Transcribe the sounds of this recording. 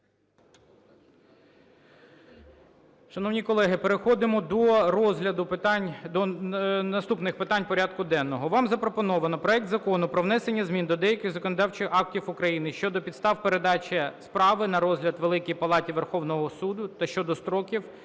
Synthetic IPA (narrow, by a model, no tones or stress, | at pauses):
ʃɐnɔwnʲikɔlˠɛɦɪpeɾexɔd̪ɪmɔd̪ɔrɔzɦlʲɐd̪ʊt̪nʲd̪ɔnɐst̪upnɪxpɪt̪ɑnʲpɔɾʲad̪̚kʊd̪ɛnːɔɦɔʋɑmzɐpɾɔpɔnɔʋɐnɔpɾɔɛk̚t̪zɐkɔnʊpɾɔʋnɛsenʲːɐzmʲind̪ɔd̪ɛjɐkɪɣzɐkɔnɔd̪ɑwt͡ʃɪxɑk̚tʲifʊkɾɐjinɪʃt͡ʃɔd̪ɔpʲid̪st̪ɑwpeɾed̪ɑt͡ʃʲɛspɾɑʋɪnɐɾɔzɦlʲɐd̪ʋelˠɪkijpɐlˠɑtʲiʋerxɔwnɔɦɔsud̪ʊt̪ɐʃt͡ʃɔd̪ɔst̪ɾɔkʲiw